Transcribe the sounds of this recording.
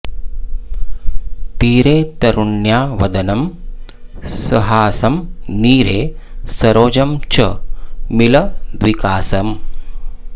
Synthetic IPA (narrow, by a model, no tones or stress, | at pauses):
t̪iːɾeːt̪ɐɾuɳjaːʋɐd̪ɐnɐm | sɐɦaːsɐmniːɾeːsɐɾoːd͡ʒɐmt͡ʃɐmilɐd̪ʋikaːsɐm